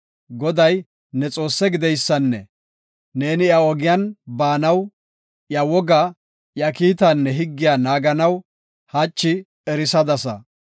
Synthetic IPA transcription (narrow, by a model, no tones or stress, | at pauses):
ɡɔd̪ɐj | nɛt͡sʼo̞ːsːɛɡɪd̪ɛjsːɐnːɛ̰ | ne̞ːnɪjɐɔɡɪjɐnbaːnɐw | jɐwɔɡɐ | jɐkiːt̪ɐnːɛɦɪɡːɪjanaːɡɐnɐw | hɐt͡ʃːɪ | ɛɾɪsɐd̪ɐsɐ̰